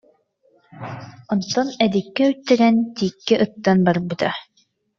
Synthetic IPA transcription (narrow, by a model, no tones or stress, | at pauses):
ɔnt̪ːɔnɛd̪ikːɛyt̪ːɛɾɛnt̪iːkːɛʔɯt̪ːanbaɾbɯt̪a